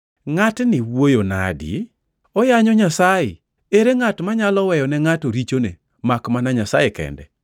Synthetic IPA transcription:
ŋatnɪwojona̰dḭ | ɔjaɲɔɲasajɪ̰ | eɾeŋatmaɲalɔwɛjɔnɛŋatoɾit͡ʃonḛ | makmanaɲasajekɛ̰ndɛ̰

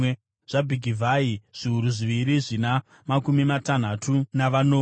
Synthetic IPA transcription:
ʐ̥abʱiɡʱivʱaiʐ̥iuɾuʐiʋiɾiʐina | makumimatan̤atʰunaʋanoː

